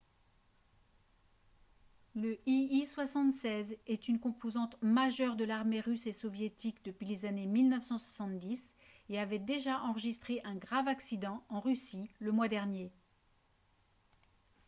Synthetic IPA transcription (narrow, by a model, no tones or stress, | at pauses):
ləʔiiswasɑ̃t̪sɛzɛt̪ynkɔ̃pozɑ̃t̪maʒœʁd̪əlaʁmeʁysesɔvjet̪ikd̪əpɥilezanemilnœfsɑ̃swasɑ̃t̪d̪is | eavɛd̪eʒaʔɑ̃ʁəʒist̪χeʔɛ̃ɡʁavaksid̪ɑ̃ɑ̃ʁysiləmwad̪ɛʁnje